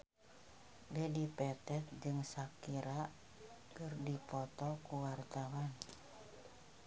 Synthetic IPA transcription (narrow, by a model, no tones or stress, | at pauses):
bɛdipɛt̪ɛt̪̚d͡ʒɨŋsakiɾa | kɨrdipɔt̪ɔkuwart̪awan